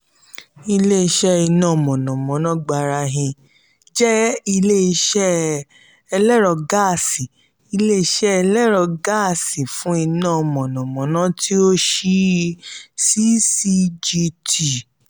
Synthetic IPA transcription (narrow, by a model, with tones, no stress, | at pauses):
i˧le˦i˧ʃɛ˦i˧nã˦˨mɔ̃˨nɔ̃˨mɔ̃˨˦nã˨˦ɡ͡ba˧ɾa˧ɦĩ˧ | d͡ʒɛ˦i˧le˦i˧ʃɛ˦ | ɛ˧lɛ˦ɾɔ˧ɡa˦˨si˨ | i˧le˦i˧ʃɛ˦ɛ˧lɛ˦ɾɔ˧ɡa˦˨si˨fũ˦i˧nãː˦˨mɔ̃˨nɔ̃˨mɔ̃˨˦nã˦tʰi˦o˦ʃi˦ | si˦si˦d͡ʒi˧ti˨